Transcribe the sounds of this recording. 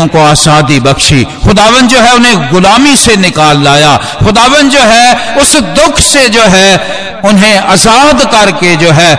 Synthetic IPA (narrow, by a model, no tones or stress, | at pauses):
koaːzaːd̪ibɐkʃḭːxʊd̪aːʋənd̪̚d͡ʒoːɦɛʊnɦẽɡʊlaːmisenɪkaːlːaːjaː | xʊd̪aːʋə̃nd̪̚d͡ʒoːɦɛʊsd̪ʊkʰsed͡ʒoːɦɛ | ʊnɦẽɐzaːd̪kɐɾked͡ʒoːɦɛː